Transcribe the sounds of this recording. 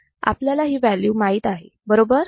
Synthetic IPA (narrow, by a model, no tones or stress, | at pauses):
a̰pljalaɦiːʋæljuːmaɦiːt̪aɦe | bəɾobəɾ